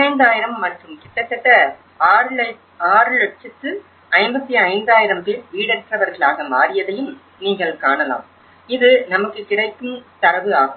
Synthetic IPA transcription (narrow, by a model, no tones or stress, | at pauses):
ɐɪnd̪aːjɪɾɐmːɐʈrɯmkɪt̪ːɐt̪ːɛʈːɐ | aːɾɯlɐ | aːɾɯlɛʈ̚t͡ʃɐt̪ːɯ | ɐɪmbɐt̪ːiɐɪnd̪aːjɪɾɐmpɪlʋiːɽɛɾʈ̪rɐʋɐɾɣɐɭaːɣɐmaːɾɪjɐðɐjɯm | niːŋɡɐɭkaːɳɐla̰ːm | ɪðɯnɐmɐkːɯkɪɽɐɪkːɯmt̪ɐɾɐʋɯaːɣɯ